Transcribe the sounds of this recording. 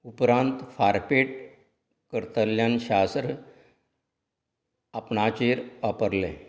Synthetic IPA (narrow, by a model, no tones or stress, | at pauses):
upɾãnt̪faɾpeʈ | kəɾt̪əljãnɕast̪ɾ | apnat͡ɕeɾʋapəɾlɛ̰̃